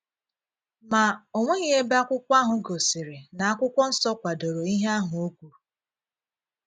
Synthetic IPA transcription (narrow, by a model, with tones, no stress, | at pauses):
ma˨o˨ŋʷe˦ɣɪ˦e˦ba˦kʷʊ˦kʷa˦ɦʊ˨ɡo˨sɪ˨ɾɪ˨na˨a˦kʷʊ˦kʷɔ˦n̩˦sɔ˦kʷa˨do˨ɾo˨i˦ɦe˦a˦ɦʊ˨o˦kʷu˨